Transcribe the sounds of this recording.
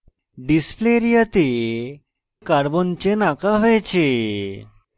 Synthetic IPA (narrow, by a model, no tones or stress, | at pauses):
ɖispleɾijət̪e | kaɾbont͡ɕenakaɦojt͡ɕʰe